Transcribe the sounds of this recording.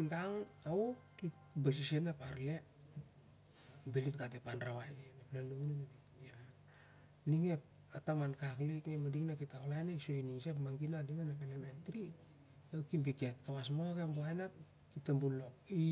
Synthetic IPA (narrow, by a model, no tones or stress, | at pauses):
ŋɡaŋao | it | bas̬isenapaɾle | belitɡat̬epanɾawajnenaplaluunemei | a | niŋep̚ | atamankakliknemadiŋnakitaklajnesojniŋsepmaŋɡinadinanapelementɾi | ewkimbiketkawasmokemboajna | kitembulo̞ki